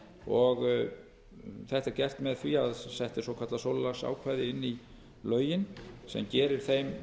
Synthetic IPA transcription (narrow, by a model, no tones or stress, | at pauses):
ɔɣ | θɛht̪ɛɾcɛr̥t̪mɛðθviaðsɛht̪ɪswɔwkʰḁt̪lasoːllasa̰ːwkʰvaːjðɪɪnːi | lœːɥjɪnsɛ̰mcɛːɾɪɾ̥θejm